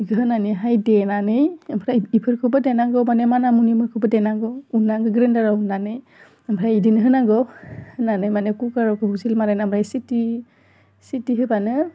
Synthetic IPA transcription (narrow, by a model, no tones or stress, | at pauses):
ɡɯɦɯnaniɦajdenanɯjɯmpʰɾaipʰɯɾkʰɯwbɯdenaɡɯwmanemanamunimɯkʰɯwbɯdeɛnaɡɯwunːaɡɯɡɾɯndaɾaunːanɯj | ampʰɾajidinɯɦɯnaɡɔhɯnanɯjmanekukaɾɔkʰɯhuzilmaɾajnambʰɾajsiti | sitiɦɯbanɯ